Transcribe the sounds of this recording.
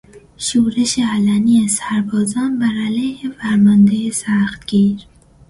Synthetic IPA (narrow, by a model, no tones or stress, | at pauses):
ʃuːɾeʃeælæniesæɾbɒːzɑnbæɾælejhefæɾmɒnd̪ejesæxt̪ɡ̥iːɾ